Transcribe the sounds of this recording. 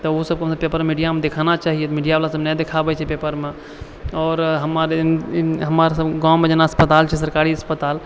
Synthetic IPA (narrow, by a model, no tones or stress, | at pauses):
t̪ɔosəb̚kəmsəpepəɾmmiɖijamẽd̪ekʰanat͡ʃaːɦiet̪miːɖijaʋalasəbnɛd̪ekʰabɛt͡ʃʰɛpeːpəɾmẽ | ɔːɾɦəmaɾeɦəmaɾsəbɡãmẽd͡ʒenaəspət̪aːlt͡ʃʰɛsəɾkaːɾiəspət̪aːl